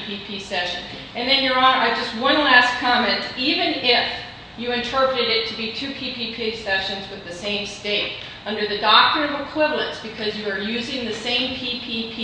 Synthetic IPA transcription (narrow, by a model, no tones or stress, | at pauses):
pʰipʰisɛʃɨ̰̃n | ɨ̃nðɨ̃njə˞ə̃nəɪd͡ʒʌst̚wʌ̃nlæskʰɑmɛ̃ntivɨ̃nɪf | jɨɨ̃ntʰɜ˞pɹɨɾɨɾɪtʰɨbitʰʉpʰipʰipʰisɛʃɨ̃nzwɨðɨsẽɪ̃msteɪɾ | ʌ̃ndə˞ðɨdɑk̚tɨ̃nʌvəkʰw̥ɪvlˠə̃nsb̥ɨkʰʌzjɨə˞jʉzɪ̃ŋðɨsẽɪ̃mpʰipʰipʰi